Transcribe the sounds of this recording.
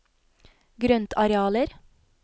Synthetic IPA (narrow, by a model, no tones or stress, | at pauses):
ɡɾœnt̪ʰɑɾɛɑːləɾ